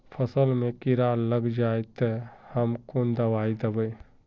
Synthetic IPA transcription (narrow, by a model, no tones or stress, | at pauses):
pʰəsəlmẽkɪɾaləɡd͡ʒajt̪əhəmkond̪əʋaːid̪əbəj